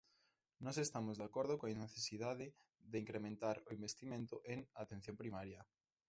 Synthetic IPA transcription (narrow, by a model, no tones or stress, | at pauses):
nɔsest̪amʊzðakoɾðʊkõneθesiðaðɪ | ðeiŋkɾemẽnt̪aɾʊimbest̪imẽnt̪ʊʔeŋat̪ẽn̟θjõmpɾimaɾjɐ